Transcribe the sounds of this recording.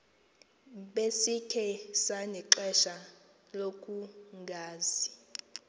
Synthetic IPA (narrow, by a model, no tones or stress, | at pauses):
ɓesikʰɛsanɛǁɛʃa | lokʼuŋɡʱaːzi